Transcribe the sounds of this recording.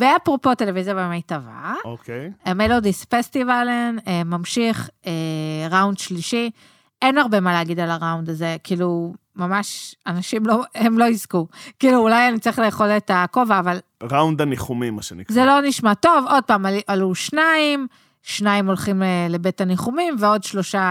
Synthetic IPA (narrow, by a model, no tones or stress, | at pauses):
veapʁopo̞te̞levizjabemajtava̰okejamelodisfestivalenemamʃiχeʁawnd̪ʃliʃi | enaʁbe̞maleːɡid̪alaʁawnd̪aze̞kʰiːlumamaʃanaʃimlo̞emlo̞izkukiːluːlajanit͡saʁiχleeχo̞letako̞vaːvalʁawnd̪aniχumimaʃenikzelo̞niʃmato̞vo̞d̚paːmalʔaluʃnaim | ʃnaimo̞lχimele̞betaniχumimveo̞dʃlo̞ʃa